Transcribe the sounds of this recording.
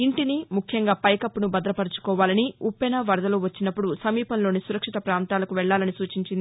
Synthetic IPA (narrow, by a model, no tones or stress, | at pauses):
iɳʈinimukʰjɐŋɡaːpɐjkɐpːunubɐd̪ɐlɐpɐɾɐt͡ʃu̥kɔːʋaːlɐniupːɐnɐʋɐɾɐd̪ɐloːʋɐt͡ʃːinɐpːuɽusɐmiːpɐnlo̞ːnisuɾɐkʂit̪ɐpɾaːnt̪aːlɐkuʋɛɭːaːlɐnisuːt͡ʃiɲt͡ʃind̪i